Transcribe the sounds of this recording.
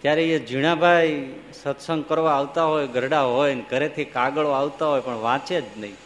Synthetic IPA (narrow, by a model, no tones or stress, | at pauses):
k̪jaɾeed͡ʒiɽ̃abʱaj | sət̪səŋɡkəɾʋaaʋt̪aɦojɡʱəɾɽaɦɔjnkəɾet̪ʰikaɡəɭoaʋt̪aɦojpəɳʋãt͡ʃed͡ʒnəɦĩ